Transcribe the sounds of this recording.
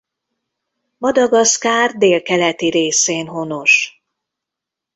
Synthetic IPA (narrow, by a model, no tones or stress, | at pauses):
mɒd̪ɒɡɒskaːrd̪eːlkɛlɛt̪iɾeːseːnɦo̞no̞ʃ